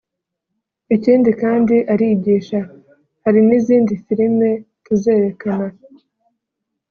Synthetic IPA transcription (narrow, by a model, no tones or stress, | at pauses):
iciːndikaːndiʔaɾiːɟiːʃa | haɾiniziːndifiɾime̞ | kuzeːɾe̞kana